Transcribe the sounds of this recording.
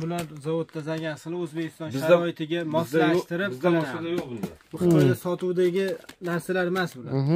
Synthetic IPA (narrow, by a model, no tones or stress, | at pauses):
bʊlaɾzavod̪ːʰazaɡʲansɨlˠɪɵzbe̞kʲʰɪ̥st̪ɒnʃaɒɪt̪ʰɪɡʲamɒsaʃt̪ɪɾɪp̪asd̪ajobɪlaq̪ɒjd̪asɒt̪uwd̪aɡʲɪnaɾsalaɾmasbʊla̰n